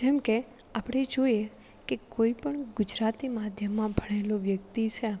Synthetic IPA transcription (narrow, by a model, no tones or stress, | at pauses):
d͡ʒɛmkeapɽ̃ed͡ʒoje | kekoipəɳɡʊd͡ʒɾat̪imad̪ʱjəmːãbʱəɽ̃eloʋjəkt̪it͡ʃʰe